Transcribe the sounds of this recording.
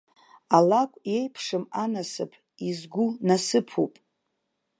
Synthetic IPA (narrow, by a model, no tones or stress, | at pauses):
alakʷʼje̞jpʰʂɨmanasɨ̰pʰ | izɡʷunasɨpʰupʼ